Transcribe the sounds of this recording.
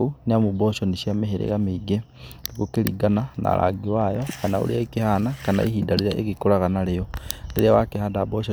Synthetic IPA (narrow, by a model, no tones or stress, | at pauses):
uniamuboʃoniʃjameɦeɾḛɣamiɡe | ikukilḭɡanana̰la̰ɡiwajokana̰ṵliaikihanakana̰ihidaliɾaʔḛkikulaɣanalejoliɾiawakihadaboʃo